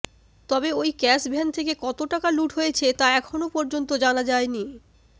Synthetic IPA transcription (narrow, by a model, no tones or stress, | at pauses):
t̪ɔbeojkɛsbʱɛnt̪ʰekekɔt̪oʈakaluʈɦojet͡ɕʰet̪aɛkʰonopɔɾd͡ʑont̪od͡ʑanad͡ʑaeni